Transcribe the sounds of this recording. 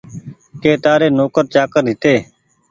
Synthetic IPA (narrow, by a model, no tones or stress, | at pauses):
keːt̪aːɾeːnoːkəɾt͡ʃaːkəɾɦɪt̪eː